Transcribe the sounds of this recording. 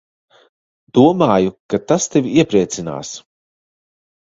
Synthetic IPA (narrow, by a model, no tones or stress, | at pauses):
d̪̥uɔmaːjukat̪ast̪evʲiiɛpɾiɛt̪sina̰ːs